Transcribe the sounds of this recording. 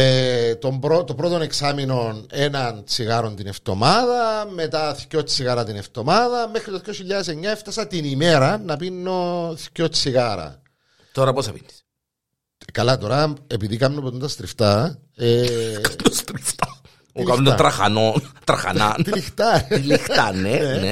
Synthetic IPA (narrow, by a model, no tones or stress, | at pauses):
et̪o̞mbɾot̪opɾot̪one̞ksamino̞nenɐnt͡siɣɐɾo̞nt̪ineft̪o̞maðɐmet̪ɐθcot͡sʰːiɣɐɾɐt̪ineft̪o̞maðɐmexɾit̪oθjoçiʎːɐðese̞ɲːɐeft̪ɐsɐt̪inime̞ɾɐnɐpinːoθcot͡siɣaɾɐ̰ | t̪oɾɐposɐpinːi̥s | kɐlɐt̪o̞ɾɐepiðikɐmnopet̪unt̪ɐst̪ɾift̪ɐ | ekad̪ost̪ɾift̪a | toilkanut̪ɾɐxa̰not̪ɾɐxa̰na̰t̪ilixt̪ɐilixt̪ɐnenene